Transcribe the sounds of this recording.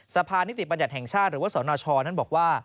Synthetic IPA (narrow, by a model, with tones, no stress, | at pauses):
sa˧pʰaː˧ni˦˥t̪ʰi˨˩ba˧nja˨˩hɛ˨˩ŋt͡ɕʰaː˥˩ɾɯː˨˦wa˥saː˩˦nɔː˧t͡ɕʰɔː˧na˥˩bɔː˨˩k̚waː˥˩